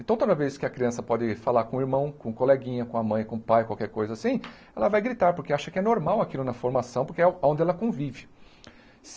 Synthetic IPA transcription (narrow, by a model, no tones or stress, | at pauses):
ẽnt̪ɐ̃w̃t̪od̪ɐveskɪɐkɾiɐ̃sɐpɔd̪ɪfalaɾkõiɾmɐ̃w̃kõkolɛɡĩɲɐkõɐmɐ̃j̃kõpajkwawkɛɾkojzɐasĩ | ɛlɐvajɡɾit̪aɾpoɾkeaʃɐkɪɛnoɾmawakilʊnɐfoɾmasɐ̃w̃poɾkeɛaõnd̪ɪɛlɐkõvivɪ | s